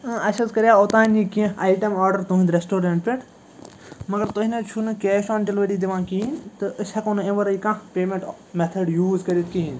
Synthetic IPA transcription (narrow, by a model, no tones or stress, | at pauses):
ɨ̃ɐʃɐskɐɾjaːot̪ãːnikiẽaːjʈɐmɔːɾɖɐɾt̪uɦind̪ɾesʈoːɾeɳʈpʲeʈ | mɐɡɐɾt̪oɦinɐt͡ʃʰunɨkeːʃɔ̃ːnʈelʋeʈid̪iʋãːkint̪ɨʔɨsɐkõnẽʋɐɾɐikãːpeːmẽɳʈ | met̪ʰɐɖjuːzkɐɾit̪̚kiɦĩn